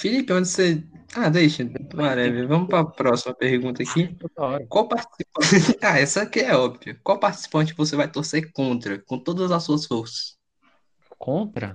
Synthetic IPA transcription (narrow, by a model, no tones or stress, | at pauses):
filipɪõd͡ʒɪsead̪ejʃɐaɾɛvɛvɐ̃mʊpɾɐpɾɔsimɐpehɡũt̪ɐakioɐɔɾkwawpaht͡ʃi̥sipɐaɛsɐkɪɛɔbviɐkwawpaht͡ʃɪ̥si̥pɐ̃nt͡ʃɪvosevajt̪oɾsekõnt̪ɾɐkõt̪od̪ɐzzɐsuɐsfoɾsɐ̥s | kõt̪ɾɐ̰